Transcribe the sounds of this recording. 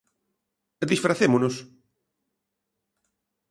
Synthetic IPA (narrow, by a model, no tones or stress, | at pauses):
d̪isfɾaθemʊnʊs